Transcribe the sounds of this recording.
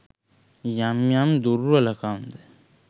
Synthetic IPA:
jamjamd̪uɾalakamd̪e

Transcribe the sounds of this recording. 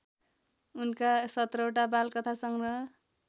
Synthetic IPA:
unkasʌt̪rʌʈabalkʌt̪ʰasʌŋrʌ

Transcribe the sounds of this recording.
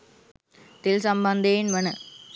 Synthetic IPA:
t̪ɪlsɐmbɐnd̪ejɪnʋɐnɐ

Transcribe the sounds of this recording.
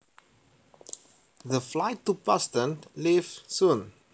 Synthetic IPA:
ðəflaɪtːupastə̃nlivsũn

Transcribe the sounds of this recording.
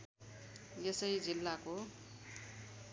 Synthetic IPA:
jesʌjd͡zilːako

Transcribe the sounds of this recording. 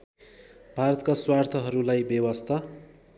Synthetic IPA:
bʱaɾʌt̪kaswart̪ʰʌɦʌɾulajbjʌwʌst̪ʰʌ

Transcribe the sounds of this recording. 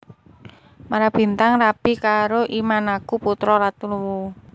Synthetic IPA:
maɾab̥i̤nt̪aŋrab̥ikaɾoʔimanakuput̪ɾɔlat̪uluwu

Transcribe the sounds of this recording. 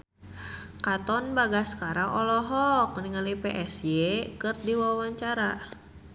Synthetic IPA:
kat̪ɔnbaɡaskaɾaŋʔɔlɔɦɔk̚niŋalipeʔɛsjekɨrdiwawaɲt͡ʃaɾa

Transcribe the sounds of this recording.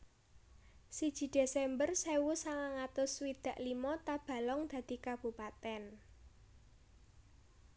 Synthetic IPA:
sid̥ʒ̥i̤d̪̥esɛmbərsɛwusaŋaŋat̪ʊswid̪̥ä̤ʔlimɔt̪ab̥ä̤lɔŋd̪̥ä̤d̪̥i̤kab̥ṳpat̪ɛn

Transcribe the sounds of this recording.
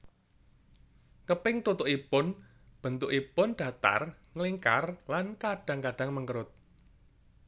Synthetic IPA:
kəpɪŋt̪ut̪ʊʔipʊn | b̥ə̤nt̪ʊʔipʊnɖ̥a̤t̪a̰rŋəliŋka̰rlankaɖ̥ä̤ŋkaɖ̥aŋməŋəɾʊt̪̚

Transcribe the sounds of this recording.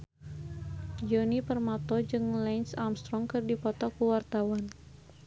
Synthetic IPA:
d͡ʒɔnipərmat̪ɔd͡ʒɨŋlɛnsamst̪ɾɔŋkɨrdipɔt̪ɔkuwart̪awan

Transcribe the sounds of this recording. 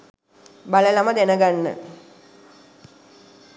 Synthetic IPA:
baləlamɐd̪enəɡanːə̰

